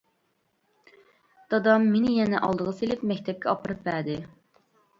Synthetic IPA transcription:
d̪̥ɑd̪ɑmːenɪjɛnɛʔɑlˠd̪əʁɑselɪpmɛkʲt̪ʰɛp̚kʲʰɛɑpɨɾɨpvæd̪ɪ

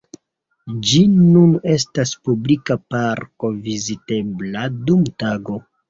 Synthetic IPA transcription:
d͡ʒinune̞s̬taspublikapaɾko̞vizite̞bladumtaɡo̞

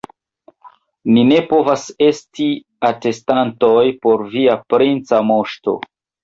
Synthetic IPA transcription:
nine̞po̞vase̞sti | ate̞stanto̞jpo̞ɾviapɾint͡samo̞ʃto̞̰

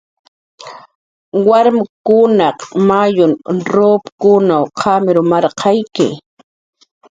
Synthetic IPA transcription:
waɾmkʊnɑqmajʊnɾoːpkʊnawqʰɑmɪɾʊmɑɾqʰɑjkɪ̰

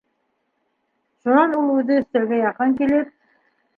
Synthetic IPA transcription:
ʃunɑnulˠʉðɘɵ̆st̪ĕlɡæjɑqɤŋkelep̚

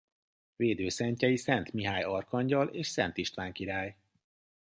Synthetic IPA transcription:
veːd̪øːsɛɲcɛjisɛnt̪miɦaːjɒrkɒɲɟɒleːʃsɛnt̪iʃt̪ʋaːŋkiɾaːj

